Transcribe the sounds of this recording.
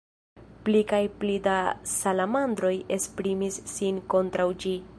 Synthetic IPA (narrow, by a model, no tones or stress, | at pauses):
plikajplidasalamandɾo̞jespɾimisːinko̞ntɾawd͡ʒi